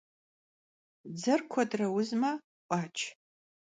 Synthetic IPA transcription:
d͡zɐrkʷʰɐdrɐwʊzmɐ | ʔʷʼaːt͡ʃʰ

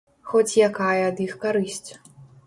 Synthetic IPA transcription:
xɔt͡sʲjakajɛɐd̪ixkaɾɨsʲt͡sʲ

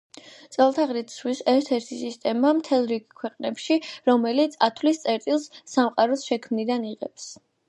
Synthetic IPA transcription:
t̪sʼɛlˠt̪ʰaʁɾit̪swisɛɾt̪ʰɛɾt̪ʰisist̪ʼɛmamt̪ʰɛlˠɾiɡkʰwɛqʼnɛpʃiɾɔmɛlit̪sʰat̪ʰvlist̪sʼɛɾt̪ʼilˠsːamqʼaɾɔsʃɛkʰmnid̪aniʁɛps

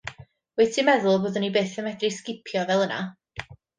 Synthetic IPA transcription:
wɛtʰimɛðʊlˠboːðənibeːθəmɛdriskɪpʰjɔvɛlˠəna̰

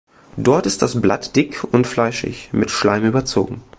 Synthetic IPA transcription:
d̥ɔɐtɪst̚d̥asblatd̥ɪkʰʊntflaɪʃɪ̰çmɪtʃla̰ɪmyːbɐt͡so̰ːɡŋ̩

